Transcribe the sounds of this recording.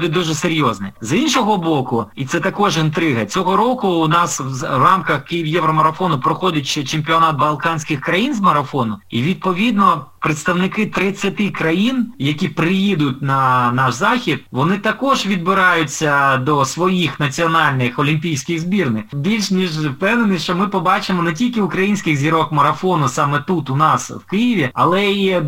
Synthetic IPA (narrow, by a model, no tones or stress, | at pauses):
d̪ɪd̪uʒɛseɾʲjɔznɛzinʃɔɦɔbɔkʊit̪sɛt̪ɐkɔʒɪnt̪ɾɪɦɐt͡sʲɔɦɔɾɔkʊːnɑswzrɑmkɐxkɪjiʋjɛʋɾɔmɐɾɐfɔnʊpɾɔxɔd̪ʲɪtʲt͡ʃɛt͡ʃɪmʲpʲiɔnɑt̪̚bɐlˠkɑnʲsʲkʲɪxkɾɐjinzmɐɾɐfɔnʊiʋʲid̪̚pɔʋʲid̪nɔpɾeɪt̪st̪ɐwnɪkɪt̪ɾɪt͡sʲːɐt̪ɪkɾɐjinjɐkʲipɾɪjid̪ʊt̚ʲnɐnɑʃzɑxʲid̪̚ʋɔnɪt̪ɐkɔʒʋʲid̪̚bɪɾɑjʊt͡sʲːɐd̪ɔsʋɔjixnɐt͡sʲiɔnɑlʲnɪxɔlʲimʲpʲijsʲkɪɣzbʲirnɪbʲilʲʃnʲiʒpɛnenɪʃt͡ʃɔmɪpɔbɑt͡ʃɪmɔnet̬ʲilʲkɪʊkɾɐjinʲsʲkɪɣzʲiɾɔkmɐɾɐfɔnʊsɑmɛt̪ut̪ʊnɑswkɪjɪʋʲiɐlˠɛi